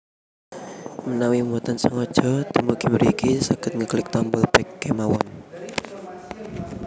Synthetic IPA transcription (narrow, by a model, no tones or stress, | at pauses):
mənawimuɔt̪ənsəŋɔd̥ʒ̥ɔt̪imukimɾikisakət̪̚ŋəklɪk̚t̪ɔmbɔlpɛkːɛmawɔn